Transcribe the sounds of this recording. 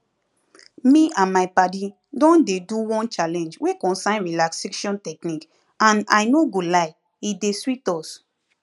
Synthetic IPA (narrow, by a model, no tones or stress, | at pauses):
miãnmaɪpadi | dɔ̃ndeduwɔ̃nt͡ʃalɛ̃nd͡ʒwekɔ̃nsãɪ̃nɹilakseʃɔ̃ntɛknik | ãna̰ɪnoɡolaɪ | ideswitɔs